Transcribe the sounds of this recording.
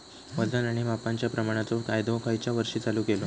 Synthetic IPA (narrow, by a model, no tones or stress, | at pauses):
ʋəd͡zanaɽ̃imapaɲt͡ɕjapɾəmaɽ̃at͡sokajd̪okajt͡ɕjaʋəɾʂiːt͡saluːkelo